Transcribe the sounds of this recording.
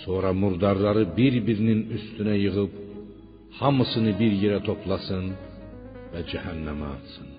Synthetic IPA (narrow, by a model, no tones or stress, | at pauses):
so̞ːɾɑmuɾd̪ɑɾlˠɑɾɯbiɾbiɾininyst̪ynæjɯɣɯp̚ | hɑmɯsɯnɯbiɾjeɾæt̪ʰo̞pʰlˠɑsɯn | væd͡ʒæhænːæmæɑt̪sɯn